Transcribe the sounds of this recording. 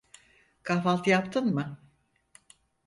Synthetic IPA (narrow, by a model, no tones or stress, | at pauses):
kʰafalˠt̪ʰɯjapt̪ʰɯnmɯ